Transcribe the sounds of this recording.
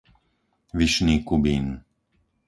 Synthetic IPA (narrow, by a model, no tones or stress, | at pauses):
ʋiʃniːkubiːn